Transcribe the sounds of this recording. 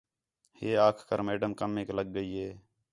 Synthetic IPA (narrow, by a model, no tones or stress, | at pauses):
heːaːkʰkəɾmeːɖəmkəmeːkləɡ̚ːəiːɦeː